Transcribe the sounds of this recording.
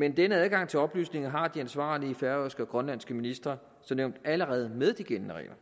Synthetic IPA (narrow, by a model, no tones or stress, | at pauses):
mend̥enəæð̞ˠɡ̥ɑ̈ŋ̰t͡sʰe̝ɒ̽b̥ly̰ːsne̝ŋɐɦɑ̈d̥iænsʋɑ̰̈ːliəfæɐøsɡ̥əɒ̽ɡ̥ʁɶnlæn̰sɡ̥əminisd̥ʁɐ | sɒ̽mneʊnd̥æləʁɛːð̞ˠmeðˠd̥iɡ̥ennəʁɛ̰ːɐ